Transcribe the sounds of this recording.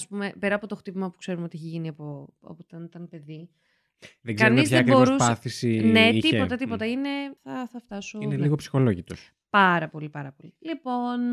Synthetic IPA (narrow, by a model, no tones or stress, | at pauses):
ɐspume̞pe̞ɾɐpo̞t̪o̞xt̪ipimɐpukse̞ɾumeoiçiʝiniɐpo | o̰pot̪ɐnit̪ɐnpe̞ði | ðeɡzɐnizçekbo̞ɾusɐθisine̞t̪io̞t̪ɐt̪ipo̞t̪ɐine̞θɐθɐft̪ɐsoineliɣopsi̥xo̞loʝit̪o̞s | pɐɾɐpo̞lipɐɾɐpo̞lilipo̞n